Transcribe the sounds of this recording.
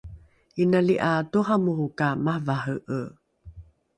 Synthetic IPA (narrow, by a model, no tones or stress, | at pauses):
inaliʔatuɦamuhukamahvaɦəʔə